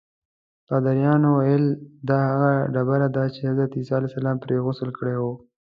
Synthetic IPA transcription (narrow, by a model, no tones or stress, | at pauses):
t̪ɑd̪aɾjɑnowajəld̪ɑhaɣaɖabaɾad̪at͡ʃehazɾat̪isɑalɛsalɑːmpɾeɣʊsəlkəɽewo